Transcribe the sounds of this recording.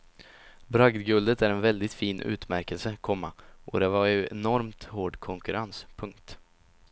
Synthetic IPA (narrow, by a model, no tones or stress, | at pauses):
bɾaɡd̪ɡɵld̪ət̪æɾɛnvɛld̪ɪt̪fiːnʔʉ̰ːt̪mæɾkəlsəkʰɔmːaʔɔd̪ɛvaɾjɵɛnɔɾmt̪hoːɖkʰɔŋkɵɾanspʰɵŋkt̪